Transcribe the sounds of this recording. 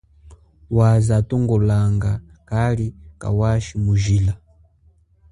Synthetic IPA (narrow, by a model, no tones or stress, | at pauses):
wazatɔŋɡɔlaŋɡakalika̰waʃimuʒila